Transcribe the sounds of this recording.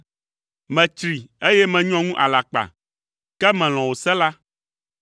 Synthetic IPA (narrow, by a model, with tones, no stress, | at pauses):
mɛ̃˨t͡ʃɾi˨e˦jɛ˦mɛ̃˨ɲɔ̃˦ŋũ˦ʔa˨la˨k͡pa̰˨ | kɛ˦mɛ̃˨l̃ɔ̃˨wo˨sɛ˦la˦